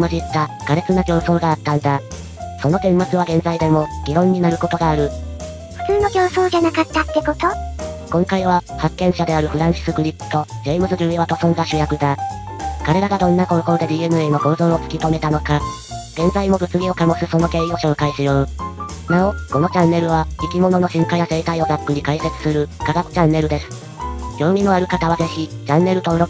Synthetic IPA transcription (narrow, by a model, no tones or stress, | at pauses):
maʑit̪ːaɡ̥aɾe̞t͡sɨnaɡʲo̞ːso̞ːɡaːt̪ːãnd̪a | so̞no̞t̪ẽ̞mːat͡sɨβ̞aɡẽ̞nzaid̪e̞mo̞ɡʲiɾõ̞ɲ̟ːinaɾɯ̟ko̞t̪o̞ɡaːɾɯ̟ | ɸɯ̟̥t͡sɨːno̞ɡʲo̞ːso̞ːd͡ʑanakat̪ːat̪ːe̞ko̞t̪o̞ | kõ̞ŋkaiβ̞ahakːẽ̞ɰ̃ɕad̪e̞aɾɯ̟ɸɯ̟ɾãɰ̃ɕi̥sɨkɯ̟ɾʲi̥t̪o̞d͡ʑeːmbɯ̟zɨʑʲɨːiβat̪o̞sõ̞ŋɡaɕɨjakɯ̟d̪a | kaɾe̞ɾaɡad̪õ̞nːakoɾoko̞ɾod̪e̞d̪ʲiːenɯ̟e̞ːno̞ɡo̞ːzõɰ̃o̞t͡sɨ̥kʲit̪o̞me̞t̪ano̞ka | ɡ̥ẽ̞nzaimo̞bɯ̟t͡sɨɡʲio̞kamosɨso̞no̞ke̞ːio̞ɕo̞ːkaiɕɨjoːɯ | naoko̞no̞t͡ɕãnːe̞ɾɯ̟β̞aikʲimo̞no̞no̞ɕɨ̃ŋkajase̞ːt̪aio̞d̪akːɯ̟ɲ̟ikaise̞t͡sɨ̥sɨɾɯ̟kaɡakɯ̟̥t͡ɕãnːe̞ɾɯ̟d̪e̞sɨ̥ | ɡ̥ʲo̞ːmʲĩnoaɾɯ̟kat̪aβaze̞çʲit͡ɕãnːe̞ɾɯ̟t̪oɾo